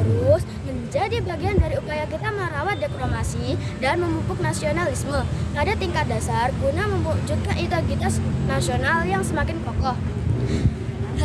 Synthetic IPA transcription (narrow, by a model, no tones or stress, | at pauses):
t̪əɾʊs | məɲd͡ʒadibaɡiandaɾiupajakit̪aməɾawat̪̚dekɾomasidanməmupʊk̚nasionalisməpadat̪iŋkat̪̚dasarkunaməmud͡ʒut̪̚kanit̪aɡit̪asnasionaljaŋsəmakɪnkɔkɔh